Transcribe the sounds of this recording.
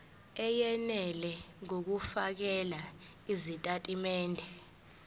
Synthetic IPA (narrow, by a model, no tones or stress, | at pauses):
ɛjɛnɛlɛŋok̬ufak̬ɛla | izitʼatʼimɛːndʱɛ